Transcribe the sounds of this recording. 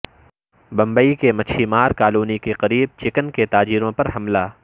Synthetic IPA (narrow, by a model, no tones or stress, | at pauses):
bɐ̃mbəikemɐt͡ʃʰimaːɾkaːluːnikeqɐɾiːb̚t͡ʃɪkənket̪aːd͡ʒiːɾõpɐɾɦɐmlaː